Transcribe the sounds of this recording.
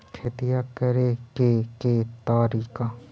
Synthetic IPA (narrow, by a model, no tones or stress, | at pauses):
kʰet̪ijakəɾekeket̪aːɾiːkaː